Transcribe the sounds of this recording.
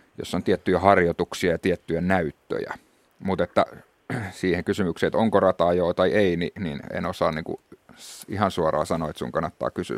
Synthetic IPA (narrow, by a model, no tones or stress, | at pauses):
jo̰sːont̪iet̪ːyjæhɑrjot̪uksiɑjɑt̪iet̪ːyjænæyt̪ːø̰jæ̰ | mut̪et̪ːæ̰ | siːheŋkysymykset̪oŋkorɑt̪ɑjoːt̪ɑieininḭnḛnosɑːnniŋkṵ | ihɑnsuɑrˑɑ̰ːsɑnoet̪sṵŋkɑnːɑt̪ːɑ̰ːkysy̰